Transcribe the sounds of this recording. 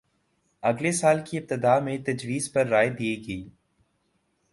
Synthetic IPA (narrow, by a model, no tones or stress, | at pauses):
ɐɡlesaːlkiɪp̚t̪ɪd̪aːmẽt̪ɐd͡ʒwiːzpɐɾːaːed̪ieɡɐiː